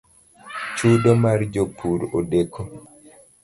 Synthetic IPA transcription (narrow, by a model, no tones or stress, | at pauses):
t͡ʃudɔmaɾd͡ʒopʰːuɾɔdɛkʰːɔ